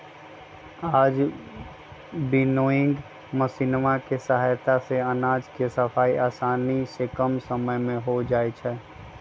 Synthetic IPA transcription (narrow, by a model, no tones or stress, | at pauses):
aːd͡ʒ | bɪnoːɪ̃ŋɡ | məsinʋakesɐɦaːjt̪aseɐnaːd͡ʒkesɐfʰaːiʔaːsaːnisekəmsəməjmẽɦod͡ʒaːet͡ʃʰɛː